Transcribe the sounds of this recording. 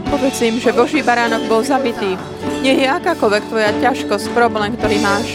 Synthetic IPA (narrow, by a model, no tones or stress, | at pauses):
pɔʋɛt͡siimʒɛbɔʒiːbaɾaːnɔɡ̚bɔlzabit̪iː | ɲɛjɛakaːkɔlʋɛkt̪ʋɔjacaʃkɔsc̚pɾɔblɛːmkt̪ɔɾiːmaːʃ